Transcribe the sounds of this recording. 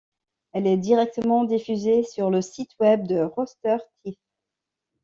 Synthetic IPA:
ɛlɛd̪iʁɛk̚t̪əmɑ̃d̪ifyzesyʁləsit̪wɛb̚d̪əʁɔst̪œʁt̪ʰif

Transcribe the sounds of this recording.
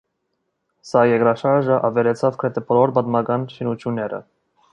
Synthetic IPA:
sɑjɛkɾɑʃɑɾʒəʔɑvɛɾɛt͡sʰɑvkʰɾɛt̪ʰɛpʰɔlɔɾbɑd̪mɑɡɑnʃinut͡sʰjunːɛɾə̰

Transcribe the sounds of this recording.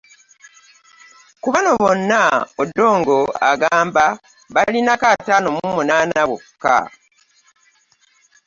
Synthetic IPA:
kuβano̞βo̞nːaodːo̞ːŋɡo̞a̰ɡaːmba | βalinakataːno̞mumunaːnawoka̰

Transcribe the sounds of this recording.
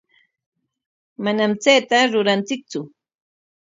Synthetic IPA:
manamt͡sejt̪aɾʊɾant͡sɪk̚t͡sʊ

